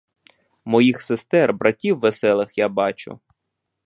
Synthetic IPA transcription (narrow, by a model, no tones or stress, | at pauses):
mɔjixsest̪ɛrbɾɐtʲiwːesɛlˠɪxjabɑt͡ʃʊ̰